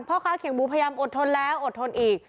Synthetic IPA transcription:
pʰɔː˥˩kʰaː˦˥wkʰe˩˦ŋbuː˧˦pʰːjaː˧mʔo˨˩t̪ʰo˧nlɛː˦˥wʔo˨˩t̪ʰːo˧nʔiː˨˩k̚

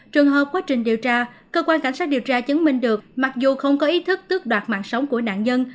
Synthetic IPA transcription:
t͡ɕɨ˨˩əŋɦəː˨˩p̚kwaː˨˦t͡ɕï˨˩ŋ̟ɗi˨˩əwt͡ɕaː˧ | kəː˧kwaː˧nka˧˩jŋ̟saː˦˥t̚i˨˩əwt͡ɕaː˧t͡ɕə˨˦nmï˧˩ŋ̟ɗɨ˨˩ək̚ma˨˩k̚zu˨˩xə˧wŋ͡mkɔ˨˦ʔi˨˦t̪ʰɨ˦˥k̚t̪ɨ˦˥ək̚ɗwaː˨˩t̚ma̰ː˧˨nsə˨˦wŋ͡mku˧˩əɗa̰ː˧˨nɲə˧n

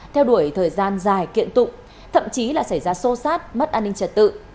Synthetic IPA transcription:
t̪ʰɛ˧wɗu˧˩əjt̪ʰəː˨˩jzaː˧nzaː˨˩jkḭ˧˨ənt̪ʊ̰˧˨ŋ͡m | t̪ʰə̰˧˨mt͡ɕi˨˦laː˨˩sa˧˩jzaː˧so˧saː˦˥t̚mə˦˥t̚ʔaː˧nːï˧ŋt͡ɕə˨˧˩t̚t̪ɨ̰˧˨

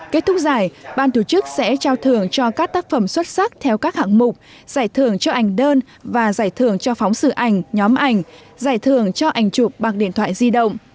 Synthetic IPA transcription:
ke˦˥t̚t̪ʰʊ˦˥k̚zaː˨˩jɓaː˧nt̪u˧˩t͡ɕɨ˦˥k̚sɛ̰˧˥t͡ɕaː˧wt̪ʰɨ˨˩əŋt͡ɕɔ˧kaː˦˥k̚t̪aː˦˥k̚fə˧˩mswə˦˥t̚sa˦˥k̚t̪ʰɛ˧wkaː˦˥k̚ha̰ː˧˩ŋmʊ˨˩k͡p̚ | z̥aː˧˩jt̪ʰɨ˨˩əŋt͡ɕɔ˧ʔa˨˩jŋ̟ɗəː˧n | vaː˨˩zaː˧˩jt̪ʰɨ˨˧˩əŋt͡ɕɔ˧fɔ˨˦wŋ͡msɨ̰˧˩ʔa˨˩jŋ̟ɲɔ˨˦mʔa˧˩jŋ̟ | zaː˧˩jt̪ʰɨ˨˩əŋt͡ɕɔ˧ʔa˨˩jŋ̟t͡ɕʊ˨˩k͡p̚ɓa˨˩k̚ɗḭ˧˨ənt̪ʰwa̰ː˧˨jzi˧ɗə̰˧˨wŋ͡m

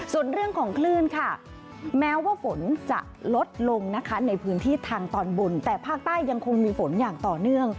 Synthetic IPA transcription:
su˨˩ənɾɯ˥˩əŋkʰɔː˩˦ŋkʰlɯː˥˩nkʰa˥˩ | mɛː˦˥waː˥˩fo˩˦nt͡ɕa̰˨˩ʔlo˦˥t̪̚lo˧ŋna˦˥kʰa˦˥na˧jpʰɯː˦˥nt̪ʰiː˥˩t̪ʰaː˧ŋt̪ɔː˧nbo˧nt̪ɛː˨˩pʰaː˥˩k̚t̪aː˥˩jːa˧ŋkʰo˧ŋmiː˧fo˩˦njaː˨˩ŋt̪ɔː˨˩nɯ˥˩əŋ

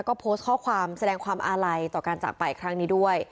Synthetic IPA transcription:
wkɔː˥˩pʰoː˦˥st̪̚kʰɔː˥˩kʰwaː˧msa˧dɛː˧ŋkʰwaː˧mʔaː˧ɾa˧jt̪ɔː˨˩kaː˧nt͡ɕa̰˨˩pa˧jkʰɾa˦˥ŋniː˦˥du˥˩əj

